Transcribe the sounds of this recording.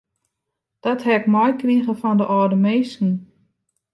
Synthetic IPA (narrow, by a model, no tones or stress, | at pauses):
d̥ɔthɛkmɔjkriɣəfɔndəʔɔːdəmeːsn̩